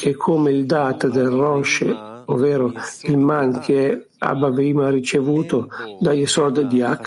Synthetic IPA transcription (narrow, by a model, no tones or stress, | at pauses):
kʰekʰːomeild̪aːt̪d̪elrɔʃ | ovɛːɾoilmankʰeɛ | a̰baviːmaɾit͡ʃevuːt̪od̪ajesɔrd̪d̪iakː